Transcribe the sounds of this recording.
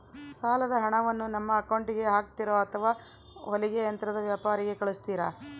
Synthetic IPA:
saːlɐd̪ɐɦɐɳɐʋɐnːunɐmːɐːkɐwɳʈiɡe̞ɦaːk̚t̪iɾoːɐt̪ʰɐʋaː | oliɡejɐnt̪ɾɐd̪ɐʋjaːpaːɾiɡe̞kɐɭust̪iːɾa

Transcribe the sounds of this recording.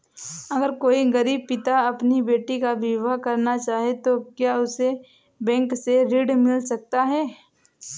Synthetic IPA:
ɐɡəɾkoːiɡɐɾiːb̚pɪt̪aɐpnibeːʈikaʋɪʋakɐɾnat͡ʃaːɦet̪okjaːʊse | bɛ̃ːŋkseɾiːɽmɪlsɐk̚t̪aɦɛː

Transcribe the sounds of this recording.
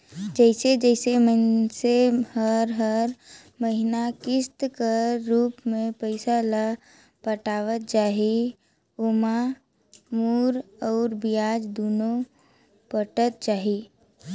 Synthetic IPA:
d͡ʒəɪsed͡ʒɛɪseməsehəɾɦəɾ | məɦinakɪst̪kəɾːuːpmẽpəɪsala | pəʈaːʋət̪̚t͡ʃaːɦi | oma | muːɾɔːɾbijaːd͡ʒd̪oːno | pəʈət̪̚t͡ʃaːɦi

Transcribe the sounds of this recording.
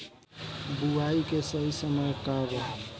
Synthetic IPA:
buaikesəɦisəməjkabə

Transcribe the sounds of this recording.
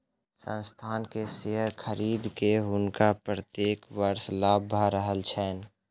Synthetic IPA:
sə̰̃nst̪ʰaːnkeseɦəɾkʰəɾiːd̪keɦʊnkapɾət̪jeːkwəɾslaːbʱaɾəɦəlt͡ʃʰɛːn

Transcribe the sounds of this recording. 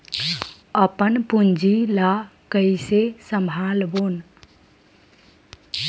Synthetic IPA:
əpənpund͡ʒilakəɪsesəmbʱalbon

